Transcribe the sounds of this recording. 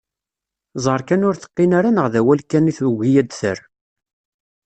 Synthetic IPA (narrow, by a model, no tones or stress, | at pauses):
zˤəɾˤkænʊɾθə̥qːinaɾanəʁðæwælkːæniθɣijæd̪θə̰ɾ